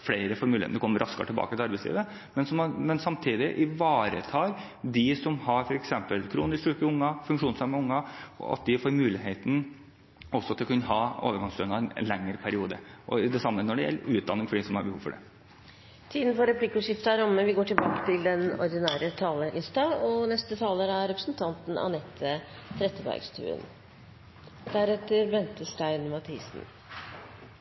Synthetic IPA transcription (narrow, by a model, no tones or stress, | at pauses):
fleɪɾəfɔɾmʉːḛt̪nɛkɔmːəɾʔɑskɑ̰t̪ʰɪlbɑ̰ːkət̪ɪlɑɾbæɪslḭːʋə | mɛnsɔmmɛnsɑmt̪ʰiːd̪ɪʔɪʋɑːɾə̰t̪ʰɑːɾ | d̪ɪsɔmhɑɾfɔɾɛksɛmpəlkʰɾuːnɪst̪ʉːkɪʊŋːɑfʉŋkʂuːnsɑmɑʊŋːɑɔ̰ɑ̰t̪̚d̪ɪfoːɾmʉːlɪɦeːt̪n | ɔsːɔɑt̪ːɛkɑnɦɑːo̰ːʋəɾɡɑŋslœːnɑɛn̰lɛŋːəɾpʰæɾɪuːd̪ə̰ʔɔɪd̪ɛsɑmːənɔɖɛjɛ̰lːəʉːt̪d̪ɑnːɪŋfɔɖɪsɔmhɑɾbəhuːʋfɔɖɛ̰ | t̪ʰiːd̪n̩fɔɾɛpʰlɪkːʊʂɪft̪ɑɾɔmːəʋɪɡoːʈʰɪlbɑːkə̥t̪ʰɪld̪ɛnɔ̰ɾd̪ɪnæːɾət̪ʰɑːləʔɪst̪ɑɔnɛst̪ət̪ʰɑːləɾəæɾɾɛpɾəsnt̪ʰɑnt̪n̩ɑ̰nɛt̪ʰːət̪ʰɾɛt̪ːəbæ̰ɾɡst̪ʰʉ̰ːə̰n | d̪̥æɾɛt̪ːəɾbɛnt̪əʂʈæɪnmɑt̪ʰiːsn̩